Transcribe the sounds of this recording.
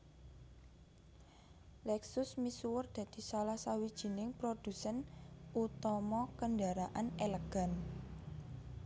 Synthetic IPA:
lɛksʊsmisuwʊrd̪̥ä̤d̪̥i̤salahsawid̥ʒ̥i̤nɪŋpɾod̪̥ṳsɛnut̪ɔmɔkəndaɾaʔaneləɡ̥a̤n

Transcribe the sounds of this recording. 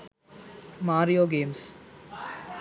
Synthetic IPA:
maːɾijoːɡeːms

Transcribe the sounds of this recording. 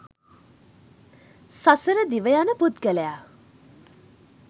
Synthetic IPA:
sasəɾəd̪iʋəjanəput̪ɡələja

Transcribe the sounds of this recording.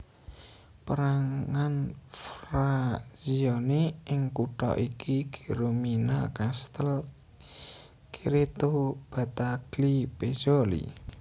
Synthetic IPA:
pəɾaŋŋanfɾaziɔneʔɪŋkuʈ̪ɔ̰ʔikiɡ̥e̥ɾominakast̪əl | kiɾet̪ob̥a̤t̪aɡ̥liped͡ʒolḭ

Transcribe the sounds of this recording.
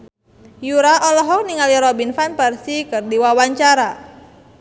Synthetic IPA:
juɾaʔɔlɔɦɔk̚niŋaliɾɔbinfanpɛrsikɨrdiwawaɲt͡ʃaɾa

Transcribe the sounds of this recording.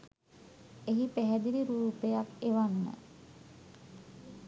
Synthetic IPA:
eɦipæɦɛd̪iɾiɾuːpejakeʋanːə̰

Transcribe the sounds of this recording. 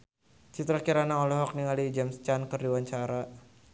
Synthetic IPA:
t͡ʃit̪ɾakiɾanaɔlɔɦɔk̚niŋalid͡ʒamst͡ʃankərdiwaɲt͡ʃaɾa

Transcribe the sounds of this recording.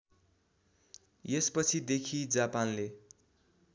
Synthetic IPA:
jespʌt͡sʰid̪ekʰid͡zapanle

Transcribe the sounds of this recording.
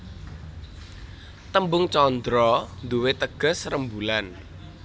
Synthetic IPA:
t̪əmbʊŋt͡ʃɔnd̪ɾɔnd̪uwet̪əɡ̥ə̤srəmbulan

